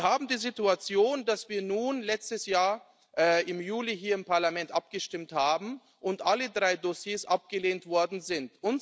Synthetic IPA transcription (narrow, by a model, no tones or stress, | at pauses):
haːbm̩diːzituat͡sjoːndasv̥iːɐnuːnlɛt͡stəsjaːɐ | ʔɛːʔɪmjuːliɦiːɐɪmpaɐlamɛntʔap̚ɡ̥əʃtɪmthaːbm̩ | ʔʊntʔalədʁaɪdosjeːsʔap̚ɡ̥əleːntv̥ɔɐdn̩zɪntʔʊn